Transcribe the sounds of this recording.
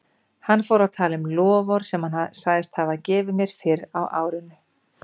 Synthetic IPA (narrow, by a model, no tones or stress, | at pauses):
hanːfowɾawt̪ʰaːlɪmlɔːvɔɾ̥sɛmhanhaðsaːjðɪst̪havacɛːvɪmjɛɾ̥fɪɾawʔa̰ːwɾʏnːʏ